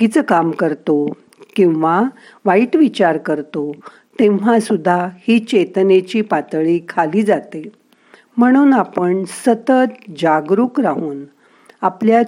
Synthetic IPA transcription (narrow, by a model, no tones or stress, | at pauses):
kit͡səkamkəɾt̪o | kĩw̃ʋa | ʋaiʈʋit͡ɕaɾkəɾt̪o | t̪ẽʋ̤asud̪ʱːahiːt͡ɕet̪net͡ɕiːpat̪ɭiːkʰaliːd͡zat̪e | m̤əɽ̃uːnapəɳsət̪ət̪d͡ʑaɡɾuːkɾaɦuːn | aplja